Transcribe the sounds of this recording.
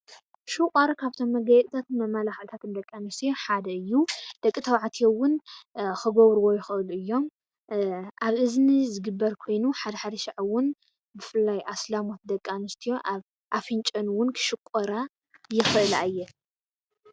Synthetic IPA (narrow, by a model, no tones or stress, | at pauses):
ʃukʼɐɾkʰaβt̪ʰo̞mːɐɡɐjɛt̪ʼt̪ʰat̪ɨmɐmːalaxɨlt̪ʰat̪ʰɨnd̪ɐkʼːanɨst̪ʰijo̞ħad̪ɐɨjːud̪̥ɐkʼːit̪ʰɐwʕat̪ʰijowʊnxɨɡoβɾɨwo̞jɪxɨʔɨluɨjːo̞m | ʔaβɨznizɨɡɨbːɐɾkʰo̞jnuħad̪ɐħad̪ɐʃaʕwʊn | bɨfɨlːajʔaslamo̞t̪̚d̪ɐkʼːanɨst̪ʰijo̞ʔaβ | ʔafɨnt͡ʃʼɐnwʊnkʰɨ̥ʃɨkʼɐɾa | jɪxɨʔɨla̰jːɛ